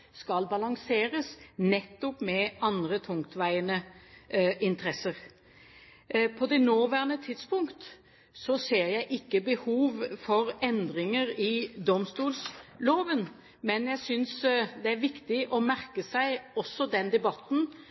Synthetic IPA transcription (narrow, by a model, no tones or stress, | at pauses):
skɑlbɑlɑŋseːɾəsnɛt̪ːɔpmɛɑnd̪ɾət̪ʰʊŋkt̪ʋæɪənə | ʔɪnt̪əɾɛsəɾ | pʰɔd̪ɛnoːʋæːʁnət̪ʰɪd̪spʊŋkt̪ | sɔseːɾjæɪʔɪkːəbəhuːʋfɔɾɛnd̪ɾɪŋəɾɪd̪ɔmst̪uːlsloːʋən | mɛnjæɪsʏnsd̪ɛæɾʋɪkt̪ɪʔɔmæʁkəsæɪɔsːɔd̪ɛnd̪ɛbɑt̪ːn̩